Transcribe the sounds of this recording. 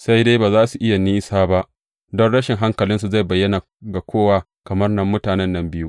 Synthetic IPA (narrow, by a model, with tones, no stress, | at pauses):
sa˦jde˦baː˨zaː˦su˨ʔɪ˦ja˨niː˦saː˦ba˦ʔ | dɔ˦nɽɐ˦ʃɪ˨ŋɦa˦ŋkɐ˨lɪ˦ns̬u˨za˦˨jbɐ˨jːɐ˦na˨ | ɡa˨kʰʷoː˦waː˨ | kɐ˨mɐ˦rnɐ˦mːʊ˦taː˨nɛ˦nːɐ˦mbɪ˦ju˦